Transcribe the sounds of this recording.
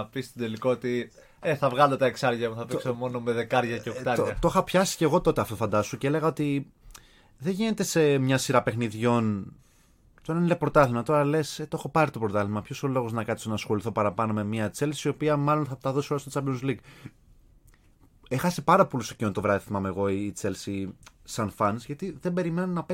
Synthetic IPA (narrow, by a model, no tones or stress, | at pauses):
ɐpist̪id̪elikoot̪i | eθɐvɣɐld̪et̪ɐeksɐɾʝɐmuθɐpiksomo̞nomeðe̞kɐɾʝɐceokt̪ɐot̪oxɐpçɐsi̥ce̞ɣo̞t̪o̞t̪e̞ɐft̪o̞fɐnd̪ɐst̪oceele̞ɣɐo̞t̪i | ðe̞ʝine̞t̪e̞se̞mɲɐsiɾɐpe̞xniðʝo̞n | t̪o̞ɾɐnlepɾo̞t̪ɐlimɐt̪o̞ɾɐle̞set̪o̞xo̞pɐɾit̪o̞pɾo̞t̪ɐlimɐpço̞solo̞ɣo̞znɐkɐt̪ist̪onɐsxo̞liθo̞pɐɾɐpɐno̞me̞miɐt͡se̞lsiio̞piɐmɐlo̞nθɐt̪ɐðo̞so̞ɾɐst̪ot͡sɐbonzliɡ | exɐsipɐɾɐpo̞lust̪ocint̪o̞vɾɐθimɐmeɣo̞iːt͡selsisɐnfɐnsʝɐt̪iðe̞be̞ɾimenɐnɐpe